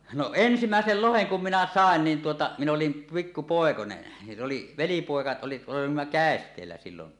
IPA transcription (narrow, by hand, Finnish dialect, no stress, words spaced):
no ensimæˑesel loheŋ kum minæ sɑˑen niːn tuotɑ min olim pikːu poˑekone jɑ sĕ oli ʋelipoˑekɑ oli olimːɑ kæˑestˑeːlːæ silːon